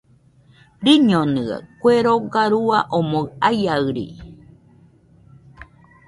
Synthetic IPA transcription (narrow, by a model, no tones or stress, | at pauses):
ɾiɲonɨa̰kʷeɾoɡaɾuaʔomoɰajaɨɾḭ